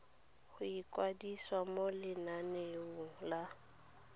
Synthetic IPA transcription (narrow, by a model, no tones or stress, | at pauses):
hʊikʼwadiswamolɪnaneuŋ̩la